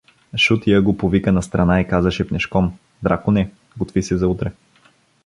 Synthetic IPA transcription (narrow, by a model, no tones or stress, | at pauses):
ʃut̪ijəɡopovikənɐst̪ɾɐnaikazɐʃɛpnɛʃkɔm | d̪ɾʔakʊnɛ | ɡot̪visɛzɐut̪ɾɛ